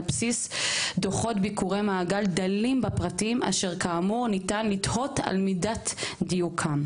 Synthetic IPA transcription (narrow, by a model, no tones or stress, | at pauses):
psisdoχo̞tbikuʁemaːɡaldalimbapʁatima̰ʃeʁkaːmuʁnitanlitho̞ta̰lmidatdijukʰam